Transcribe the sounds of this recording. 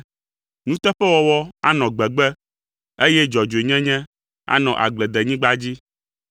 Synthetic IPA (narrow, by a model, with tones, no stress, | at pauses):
nũ˦t̪ɛ˦ɸɛ˦wɔ˦wɔ˦a˦nɔ̃˨ɡ͡bɛ˨ɡ͡bɛ˦ | e˦jɛ˦d͡ʒɔ˨d͡ʒo˨e˨ɲɛ̃˦ɲɛ̃˦ | a̰˦nɔ̃˨ʔa̰˨ɡ͡blɛ˨d̪ɛ˨ɲĩ˦ɡ͡ba˦d͡ʑi˦